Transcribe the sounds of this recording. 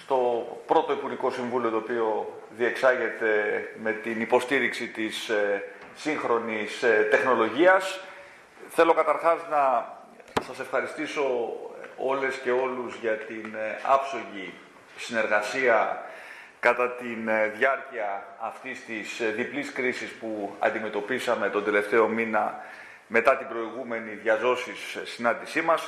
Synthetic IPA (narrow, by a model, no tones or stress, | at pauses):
st̪o̞pɾo̞t̪o̞ipuɾʝiko̞siɱvulio̞t̪oːpio̞ | ðie̞ksɐʝe̞t̪e̞me̞t̪inipo̞st̪iɾiksit̪isː | iŋxɾo̞nist̪e̞xno̞lo̞ʝiɐs | θe̞lo̞kɐt̪ɐɾxɐznɐ | sɐse̞fxɐɾist̪iso̞ | o̞le̞sce̞o̞luzʝɐt̪inɐ̰fso̞ʝi | sine̞ɾɣɐsiɐ | kɐt̪ɐt̪inðʝɐɾciɐːft̪ist̪isðipliskɾisispuɐ̰nd̪ime̞t̪o̞pisɐme̞t̪o̞nd̪e̞le̞ft̪e̞o̞minɐ | me̞t̪ɐt̪ibɾo̞iɣume̞niðʝɐzo̞sisːinɐnd̪isimɐs